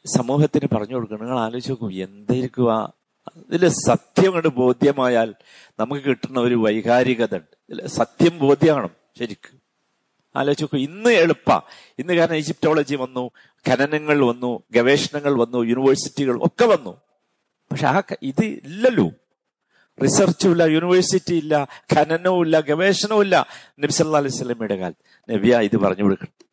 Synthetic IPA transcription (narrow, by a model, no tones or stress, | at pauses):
sɐmuːɦɐt̪ːinɨpɐrɐɲːukoɽukːɐɳiŋːɐɭaːlo̞ːt͡ɕːɐokːue̞nd̪ɐjiɾikʲːua̰ | ðilesɐt̪jɐmɐɳɖɨbo̞ːd̪ʱjɐmaːjaːl | nɐmukːɨkiʈːunːɐo̞ɾuʋɐjhaːɾiɣɐðɐɳɖɨilesɐt̪jɐmbo̞ːd̪ʱjɐmaːɳɐm | ɕɐɾikʲːu̥m | a̰ːlo̞ːt͡ɕːokːuinːɨeɭupːɐ̰ | inːɨkaːɾɐɳɐmid͡ʑip̚to̞ːɭɐd͡ʑiʋɐnːu | kʰɐnɐnɐŋːɐɭʋɐnːuɡeʋe̞ːʂɐnɐŋːɐɭʋɐnːujuniʋɐrsitːiɣɐɭṵmʔo̰kːeʋɐnːṵ | pɐkʂeaːkiðɨilːɐlṵː | risɐrt͡ɕːuʋilːɐjuniʋɐrsitːiilːɐkʰɐnɐnɐʋilːɐɡeʋe̞ːʂɐnɐʋilːɐ̰nɐbisɐlːɐlːaːhlejsɐlːɐmiɽɐɣa̰ːl | nebijaiðɨpɐ̰rɐ̰ɲːɐpoɽikːɐɳ